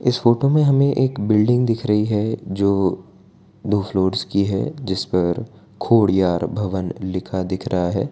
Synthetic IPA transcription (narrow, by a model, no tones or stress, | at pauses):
ɪsfoːʈomẽɦɐmẽʔeːkbɪlɖɪ̃ŋɡd̪ɪkʰɾɐɦiɦɛd͡ʒoː | d̪ʱuːfloːɾskiɦɛ̰d͡ʒɪspɐɾ | kʰoːɽjaːɾbʱɐʋənlɪkʰad̪ɪkʰɾʔɐɦaɦɛ̰ː